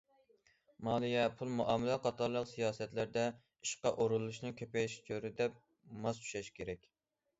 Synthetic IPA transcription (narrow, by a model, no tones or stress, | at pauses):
mɑːlˠijɛpʰulˠmuʔɑːmɪlɛqʰɑt̪ʰɑɾlˠəqsijɑːsɛt̪læɾd̪ɛ | i̥ʃqɑʔoɾulˠːuʃnɨŋkʲʰøpɛʃt͡ʃʰøɾɪd̪ɛp̚ | mɑst̪ʰu̥ʃɛʃkʲʰeɾɛkʲ